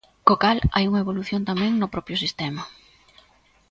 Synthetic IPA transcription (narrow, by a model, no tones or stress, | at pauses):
kokala̰juŋɐeβoluθjont̪amɛ̃ŋnʊpɾɔpɾjʊsist̪ɛma